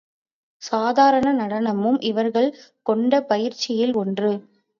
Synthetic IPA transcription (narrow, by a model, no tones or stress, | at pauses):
saːðaːɾɐɳɐnɐɽɐnɐmɯmʔɪʋɐɾɣɐɭkɔɳɖɐpɐjɪɾt͡ʃːɪjɪlɔndrɯ